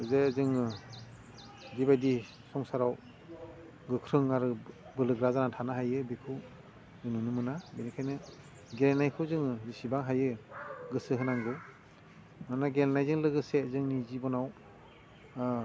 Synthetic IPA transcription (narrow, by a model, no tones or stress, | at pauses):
zezɯŋɯ | dibajdi | sɔŋsaɾaw | ɡɯkʰɾɯŋaɾɯbɯlɯɡɾazanatʰanaɦajɯbikʰɯw | zɯŋnɯnɯmɯnabenikʰajnɯ | ɡelenajkʰɯwzɯŋɯzisibaŋɦajɯɡɯsɯɦɯnaŋɡɯw | manaɡelnajzɯŋlɯɡɯsezɯŋnizibɔnaw